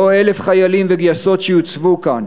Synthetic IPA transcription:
oelefχajalimveɡjaso̞tʃejut͡svukan

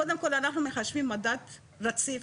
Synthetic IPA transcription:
od̪e̞mko̞lanaχnume̞χaʃvimːadat̪ | ɾat͡si

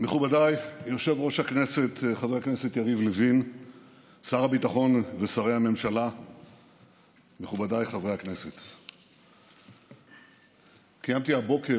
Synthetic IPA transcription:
me̞χubadajoʁʃe̞vʁo̞ʃhakne̞se̞t̪χavʁehaknese̞t̪jaʁivlevin | saʁabit̪aχo̞nvesaʁejhamemʃala | meχubadajχavʁehakne̞se̞t̪ | kijamt̪iabo̞ke

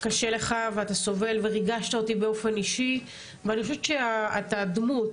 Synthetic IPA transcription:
kaʃele̞χaveataso̞ve̞lveʁiɡaʃt̪ao̞tibeo̞fe̞niʃi | veanixoʃeveʃeaatadmut

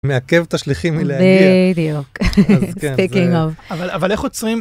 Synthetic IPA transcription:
meakevt̪aʃliχimileaidjukzkentikĩŋɔvavalavaleχot͡sʁim

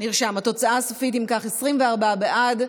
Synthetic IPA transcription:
niʁʃamat̪o̞t͡saʔasofit̪̬imkaχesʁimveaʁbabeʔad

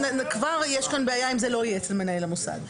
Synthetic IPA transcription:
kvaʁjeʃkanbeajaimzelo̞ijeet͡selmenaelamusa̰ɡ

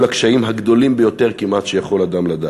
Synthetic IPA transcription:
lakʃaimɦaɡd̪o̞limbejo̞t̪e̞ʁkimʔat̪ʃejaχo̞lad̪amlad̪a

